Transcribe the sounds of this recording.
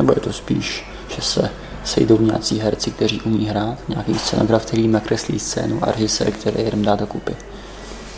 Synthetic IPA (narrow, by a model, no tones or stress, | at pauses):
nɛbo̞jɛt̪o̞spḭːʃ | ʒ̥ɛsɛ̰ | sɛ̰jdo̞wɲɛa̰ːt͡siːɦɛɾt͡sɪk̚t̪ɛr̝iːʔumiːɦɾaːt̪ɲɛakiːst͡sɛno̞ɡɾaft̪ɛliːmnakɾɛslḭːst͡sɛ̰ːnuʔa̰ɾɛʒɪsɛ̰ːɾkt̪ɛɾɛ̰ːjɛɾɛmdaːdokupɪ